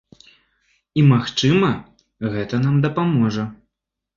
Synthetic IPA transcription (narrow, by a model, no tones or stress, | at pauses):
imaxt͡ʂɨmɐ | ɣɛt̪ɐnamd̪ɐpamɔʐɐ